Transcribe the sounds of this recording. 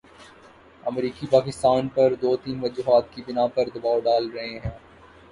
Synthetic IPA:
ɐmɾiːkipaːkɪst̪aːnpɐɾd̪oːt̪iːnʋɐd͡ʒuːɦaːt̪̚kibɪnapɐɾd̪ɐbaːoɖaːlɾɐɦeɦɛ̃ː

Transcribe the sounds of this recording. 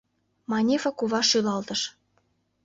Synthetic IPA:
mɑnʲefɑkuβɑʃylɑlt̪ə̆ʃ

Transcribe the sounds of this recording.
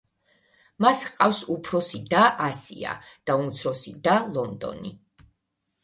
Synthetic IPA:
masqʼafsupʰɾɔsid̪aʔasḭa̰d̪̥aunt̪sʰɾɔsid̪alˠɔnd̪ɔ̰nḭ

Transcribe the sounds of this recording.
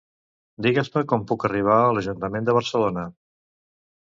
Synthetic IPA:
d̪iɣəsməkɔmpukəriβ̞aələʒunt̪əmend̪əβ̞əɾsəlonə

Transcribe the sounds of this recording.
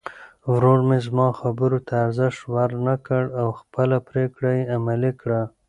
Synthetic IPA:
wɾoɽmezmɑxabəɾot̪ʰaːɾzɪʃwaɾnakəɽawxpəlapɾekɽajeamalikɽa

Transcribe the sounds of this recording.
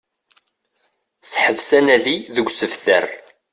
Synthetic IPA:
sħəvsænæðiðəɡʷsəfθə̰r

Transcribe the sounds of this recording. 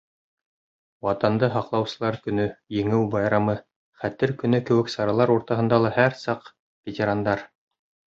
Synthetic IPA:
wɑt̪ɑnd̪ɤɦɑqlˠɑwsɤ̆lˠɑɾkɵ̆nɵjɘ̆ŋɘwbɑjɾɑmɤ | χæt̪ɘɾkɵ̆nɵkɘ̆wɘ̆ksɑɾɑlˠɑɾuɾt̪ɑɦɤ̆nd̪ɑlˠɤhæɾsɑq | vʲetʲeɾand̪ɑɾ

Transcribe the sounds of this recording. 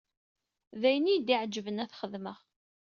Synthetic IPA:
ðæjənid̪iʕd͡ʒəvənæθχəðməʁ

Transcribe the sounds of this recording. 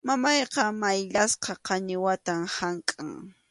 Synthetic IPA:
mamɑjqɑmajʎasqɑqɑɲɪwat̪amhaŋkʼaŋ

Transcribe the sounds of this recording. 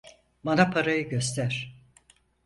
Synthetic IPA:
banapʰaɾajɯɟøst̪ʰæɾ̥

